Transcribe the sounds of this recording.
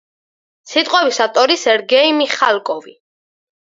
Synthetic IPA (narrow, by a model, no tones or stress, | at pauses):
sit̪ʼqʼɔbisat̪ʼɔɾisɛɾɡɛimiχalˠkʼɔvi